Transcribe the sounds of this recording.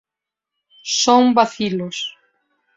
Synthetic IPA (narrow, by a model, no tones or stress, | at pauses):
soŋbaθilos